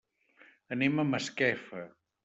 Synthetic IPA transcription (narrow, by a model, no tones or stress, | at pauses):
əneməməskɛfə